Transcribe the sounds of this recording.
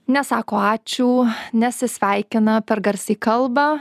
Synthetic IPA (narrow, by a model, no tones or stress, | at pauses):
nʲɛsɑːkoːɑːt͡ʃʲuːnʲɛsʲɪsʲʋʲæɪkʲɪnɐpʲɛɾɡɐɾʲsʲiːkɐlˠbɐ